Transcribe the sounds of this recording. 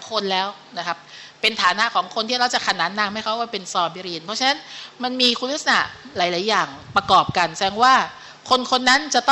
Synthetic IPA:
kʰo˧nlɛː˦˥w | na˦˥kʰa˦˥p̚ːe˧nt̪ʰaː˩˦na˦˥ʔkʰɔː˩˦ŋkʰo˧nt̪ʰiː˥˩ɾa˧wt͡ɕa˨˩kʰa˧naː˨˦˥nːaː˧mha˥˩jkʰa˦˥waː˥˩pe˧nsɔː˧biː˧ɾiː˧npʰɔ˦˥t͡ɕʰa˧na˦˥nma˧nmiː˧kʰuː˧t̪̚ʰːsa˧na̰˧˩laː˨˩˦jlaː˩˦jːaː˨˩ŋpɾa˧kɔː˨˩p̚ka˧nsɛː˨˧ŋwaː˥˩ | kʰo˧nkʰo˧nːa˦˥nt͡ɕa˨˩ʔt̪ɔ˥

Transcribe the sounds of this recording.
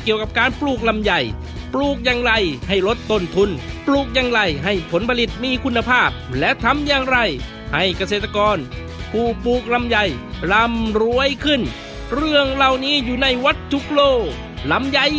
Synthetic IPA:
ki˨˩əwka˨˩p̚kaː˧npluː˧˩k̚la˧mja˨˩j | pluː˨˩k̚jaː˧ŋɾa˧˩jha˧˥˩jlo˦˥t̪ːo˧˥˩nt̪ʰu˧npluː˧˩k̚jaː˧ŋɾa˧˩jɦa˧˩jpʰo˨˦npʰa˧li˨˩t̪̚miː˧kʰu˧nːa˧pʰaː˥˩p̚lɛ˦˥ʔt̪ʰa˧mjaː˧ŋɾa˧˩j | ha˥˩jka˧s̬eː˨˩t̪ːa˧kɔː˧n | pʰuː˧˩puː˨˩k̚la˧mja˨˩jla˧˥mɾu˧˥əjkʰɯ˧˩n | ɾɯ˥˩əŋla˧˩wniː˦˥juː˨˩na˧˩jwa˦˥t̪̚tʰːu˦˥k̚loː˧˩ | la˨˧˥mja˨˩j

